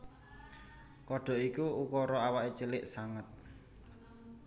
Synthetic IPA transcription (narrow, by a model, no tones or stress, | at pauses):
kɔɖ̥ɔ̤ʔikuukɔɾɔawaʔit͡ʃəlɪʔsaŋət̪̚